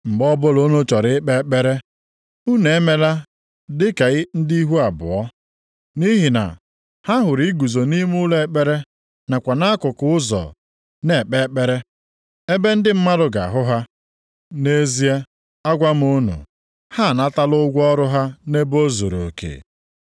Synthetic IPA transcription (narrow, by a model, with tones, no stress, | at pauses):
ŋ͡m̩˨ɡ͡bɔ˦bʊ˦lo˦no˦t͡ʃɔ˨ɾɪ˦k͡pe˦k͡pe˦ɾe˦ | u˦ne˨˦me˨la˦ | dɪ˦ka˨ɣɪ˦n̩˦di˦i˦ɦu˦a˨bʊ̰˨ɔ˦ | ni˦ɦi˨na̰˨ | ha˦ɦʊ˨ɾi˦ɡu˨zo˨ni˦m˦ʊ˦le˦e˨k͡pe˦ɾe˦ | na˨kʷa˨na˦kʊ˨kʊ˦ʊ˦zɔ̰˨ | ne˨k͡pe˦k͡pe˦ɾe˦ | e˦be˦n̩˦dɪ˦m̩˦ma˦dʊ˨ɡa̰˨ɦʊ˦ɦa˦ | ne˦zi˦e˦ | a˦ɡʷa˦m˦ʊ˦nṵ˨ | ha˦˨na˦ta˦lʊ˦ɡʷɔ˦ɾʊ˦ɦa˦ne˦bo˦zo˨ɾo̰˨kḛː˨